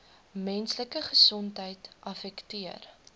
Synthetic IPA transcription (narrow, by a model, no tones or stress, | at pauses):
mɛnsləkəχəsɔntɦəjtʔɐfɛktiər